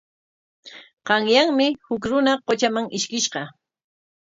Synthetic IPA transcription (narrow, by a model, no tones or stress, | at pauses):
qɑŋjaŋmɪhʊkɾʊnaqot͡ʃamaŋɪʃkɪʃɢɑ